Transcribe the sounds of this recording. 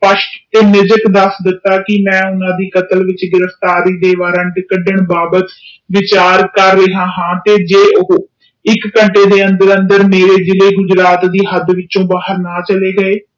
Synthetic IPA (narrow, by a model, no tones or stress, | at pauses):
pəʃʈt̪eːnɪd͡ʒəkd̪əsd̪ɪt̪ːaːkɪmɛ̃ːʊnãːd̪iːkət̪əlʋɪt͡ʃɡɪɾəft̪aːɾiːd̪eːʋaːɾãːɖɪkəɖəɳbaːbət̪ʋɪt͡ʃaːɾkəɾːeːɦãːɦãːt̪eːd͡ʒeːʔʊɦoː | ɪkːəɳʈeːd̪eːənd̪əɾə̃nd̪əɾmeːɾeːd͡ʒɪleːɡʊd͡ʒɾaːt̪d̪iːɦəd̪ʋɪt͡ʃːt͡ʃõːbaːɦəɾnaːt͡ʃəleːɡəeː